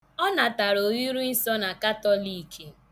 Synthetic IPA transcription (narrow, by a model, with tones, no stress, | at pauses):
ɔ˦na˨ta˨ɾo˨ji˦ɾu˦i˦sɔ˦na˨ka˦tɔ˦li˨kʰe˦